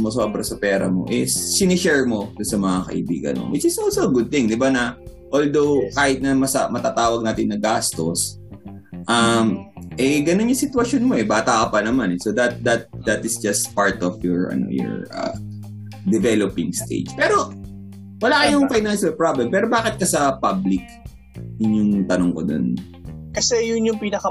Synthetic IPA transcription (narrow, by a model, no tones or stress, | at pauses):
mosobɾɐsɐpɛːɾɐ̰mo̞̰ʔɪsːɪnɪʃɛɹmo̞d̪ʊnsɐmɐŋakɐ̰ʔɪ̰bḭːɡɐ̰nmo̰wɪt͡ʃɪsolsoɐɡʊd̪̚t̪ɪŋd̪ɪbanɐʔold̪owkaːhɪt̪̚nɐmɐsɐmɐt̪aːt̪aːwɐɡ̚naːt̪ɪnːɐɡast̪o̞s | ʔɐmʔɛɡɐnonjʊŋsɪt̪wɐʃjonmoʔɛbaːt̪ɐʔɐpɐnɐmanɛsod̪ɐt̪̚d̪ɐt̪̚d̪ɐt̪ɪsd͡ʒɐst̪paɹt̪ɔfjɔɹʔɐ̰no̰jɔ̰ɹʔɐ̰ | d̪ɛvɛlopɪŋst̪ḛd͡ʒpɛːɾo̞ | wɐlaːkɐjʊŋkɐjnɐnsbɛpɹablɛmpɛːɾobaːkɪt̪̚kɐsɐpablɪk̚ | ɪɲːʊŋt̪ɐnoŋkod̪o̰n | kɐsɛjʊnjʊŋpinɐkɐ